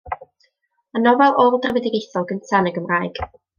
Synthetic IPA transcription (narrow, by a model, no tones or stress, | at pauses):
anɔvɛlˠɔlˠdrəvɛdɪɡejθɔlˠɡəntʰanəɡəmraːjɡ̥